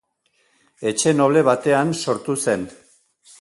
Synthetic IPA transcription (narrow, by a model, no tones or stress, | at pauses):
e̞t͡ʃe̞no̞βle̞β̞at̪e̞anso̞ɾt̪use̞n